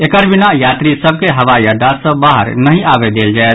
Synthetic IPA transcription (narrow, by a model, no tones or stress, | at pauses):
ekəɾbinajat̪ɾisəb̚keɦəʋajəɖasə̃baɦə̰ɾnəɦĩabed̪eld͡ʒaet̪